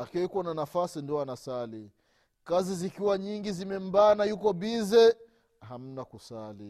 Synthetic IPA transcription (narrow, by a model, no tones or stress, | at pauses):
akiɛikuɔnanafasindiɔanasali | kazizikiwaɲiŋɡizimɛm̩baːnajukɔɓizɛ | ham̩nakusali